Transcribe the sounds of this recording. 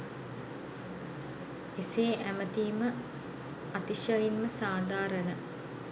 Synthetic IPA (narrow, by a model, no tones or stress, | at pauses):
eseːʔæmət̪iːmə | at̪iʃɐjinməsaːd̪aːɾənə